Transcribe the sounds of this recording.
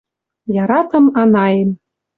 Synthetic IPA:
jɑɾɑt̪ɤ̆mɑnɑjem

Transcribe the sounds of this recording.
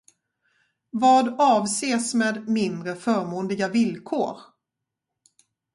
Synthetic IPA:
vɑːd̪ɑːvseːsmeːd̪mɪnd̪ɾəfœːɾmuːnd̪ɪɡavɪlkʰo̰ːɾ

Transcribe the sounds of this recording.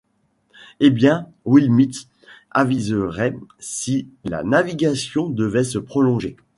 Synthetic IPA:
ebjɛ̃ | wilmit̪ | a̰vizəʁɛsila̰naviɡasjɔ̃d̪əvɛsəpχɔlɔ̃ʒe

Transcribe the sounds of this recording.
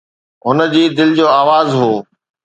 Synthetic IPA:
ɦʊnə̆d͡ʑiːd̪ɪlɪd͡ʑoːaːʋaːzɦoː

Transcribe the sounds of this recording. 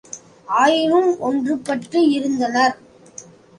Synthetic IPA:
aːjɪʋɯmɔndrɯpːɐʈrɯɪɾɯnd̪ɐnɐɾ

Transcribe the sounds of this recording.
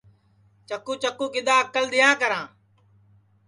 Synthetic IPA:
t͡ʃəkːuːt͡ʃəkːũːkɪd̪aːəkəld̪ɪjãːkəɾãː

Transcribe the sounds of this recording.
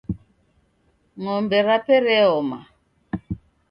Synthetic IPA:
ŋɔmbɛɾapɛɾɛɔma̰

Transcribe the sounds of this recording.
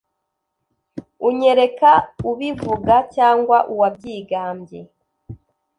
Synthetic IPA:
uɲe̞ɾe̞kauβivuɡacaːŋɡwaʔuwab̚ɟiːɡaːmbje

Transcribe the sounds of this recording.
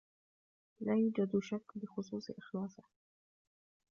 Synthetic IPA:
laːjuːd͡ʒad̪ʃakːbɪxʊsˤuːsˤʔɪxlɑːsˤɪh

